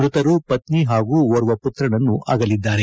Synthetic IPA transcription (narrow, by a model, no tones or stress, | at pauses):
ɾut̪ɐɾupɐt̪niɦaːɡuːɔɾuʋɐput̪ɾɐɳɐnːuʔa̰ːɡɐlid̪ːaːɾe